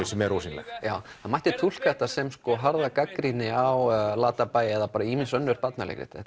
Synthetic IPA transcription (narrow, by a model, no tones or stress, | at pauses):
ɪsɛmɛɾoːwsinlɛ̰xjaːwhanmajht̪ɪt̪ʰul̥kaɛht̪asɛmskɔɦaɾðakakɾinɪawlaːt̪apajɪɛðapaːɾaiminsœnːʏɾ̥pat̪nalḛkɾɪ̰t̪ɛ